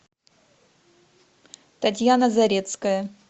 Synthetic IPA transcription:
t̪ɐt̬ʲjanəzɐɾʲet̪skəjə

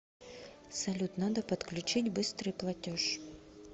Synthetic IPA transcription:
sɐlʲut̪nad̪əpɐt̪klʲʉt͡ɕitʲbɨst̪ɾɨjplˠɐtʲoʂ

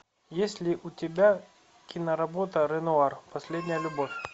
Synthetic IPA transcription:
jesʲlʲɪʔʊtʲɪbʲa | kʲɪnəɾɐbo̞t̪əɾənʊarpɐsʲlʲedʲnʲɪjəlʲʊbo̞fʲ

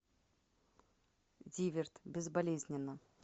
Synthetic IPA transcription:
dʲivʲɪrt̪bʲɪzbɐlʲezʲnʲɪnːə

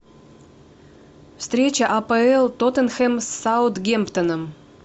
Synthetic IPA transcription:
fst̪ɾʲet͡ɕəʔɐpəɛlˠt̪ot̪ənxɛmsːawt̪ɡʲempt̪ənəm

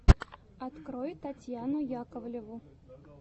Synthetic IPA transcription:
ɐt̪kɾojɪt̪ːɐtʲjanʊjakəvlʲɪvʊ

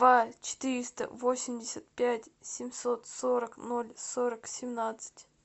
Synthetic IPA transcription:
vat͡ɕɪ̥t̪ɨɾʲɪst̪ə̰vosʲɪmʲdʲɪsʲət̪̚pʲætʲsʲɪmʲsot̪soɾəknolʲsoɾəksʲɪmnat̪sɨ̥tʲ

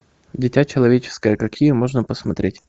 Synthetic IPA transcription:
dʲɪtʲat͡ɕɪlˠɐvʲet͡ɕɪ̥skəjəkɐkʲijəmo̞ʐnəpəsmɐt̪ɾʲetʲ

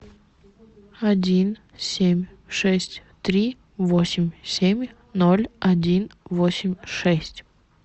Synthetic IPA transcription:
ɐdʲin | sʲemʲ | ʂɛsʲtʲt̪ɾʲi | vosʲɪmʲsʲemʲ | nolʲɐdʲinvosʲɪmʲʂɛsʲtʲ

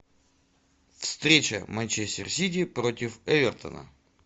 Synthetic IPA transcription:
fst̪ɾʲet͡ɕə̰mɐnʲt͡ɕesʲtʲɪrsʲit̬ʲɪpɾotʲɪfɛvʲɪrt̪ə̰nə̰

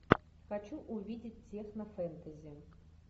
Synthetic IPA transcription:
xɐt͡ɕuʔʊvʲidʲɪtʲtʲːexnɐfɛnt̪əzʲɪ

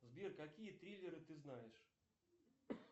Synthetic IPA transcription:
zbʲerkɐkʲijət̪ɾʲilʲːɪɾɨt̪ɨznajɪʂ

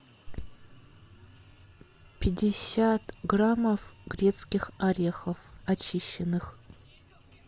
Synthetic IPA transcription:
pʲʰɪdʲɪsʲatʰɡramofɡ̥rʲett͡skʲixaɾʲexɐfat͡ʃʰiʃɛnɨx

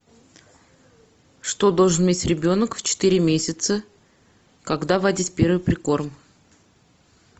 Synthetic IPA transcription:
ʂt̪o̞d̪o̞lˠʐɨnmʲetʲɾʲɪbʲo̞nəkft͡ɕɪ̥t̪iɾʲɪmʲesʲɪt̪sə | kɐɡd̪avɐdʲitʲpʲeɾvɨjpɾʲɪko̞rm

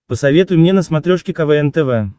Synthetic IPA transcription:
pəsɐvʲet̪ʊjmnʲenəsmɐt̪ɾʲoʂkʲɪkɐvɛɛnt̪ɛvɛ

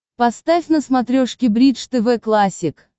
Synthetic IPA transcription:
pɐst̪afʲnəsmɐt̪ɾʲoʂkʲɪbɾʲiʂt̪ɛvɛklˠasʲɪk

